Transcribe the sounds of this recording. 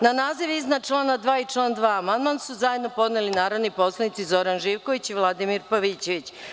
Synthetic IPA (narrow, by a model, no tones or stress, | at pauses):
nanaːziʋiznat͡ʃlˠaːnad̪ʋaːit͡ʃlˠaːnd̪ʋaːamand̪mansuzaje̞d̪nopo̞d̪nelinaːɾo̞d̪nipo̞slˠanit̪sizo̞ɾanʒiːʋko̞ʋit͡ɕiʋlˠad̪imiɾpaʋiːt͡ɕeʋit͡ɕ